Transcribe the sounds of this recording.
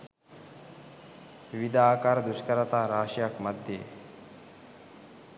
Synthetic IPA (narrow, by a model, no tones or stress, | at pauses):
ʋid̪aːkaɾd̪uʃkɐɾɐt̪aːɾaːʂjakmɐd̪ʱjḛ